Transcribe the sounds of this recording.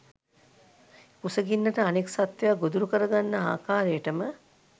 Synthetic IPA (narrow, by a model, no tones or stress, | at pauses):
kusəɡinːəʈəaniksat̪ʋejaɡod̪uɾukəɾəɡanːəa̰ːkaːɾejəʈəmə